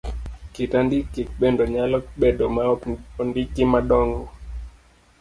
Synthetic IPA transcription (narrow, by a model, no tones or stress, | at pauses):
kitandikːikɓɛndɔɲalɔk̚ɓɛɗɔmaɔɔndikimaɗɔŋɡɔ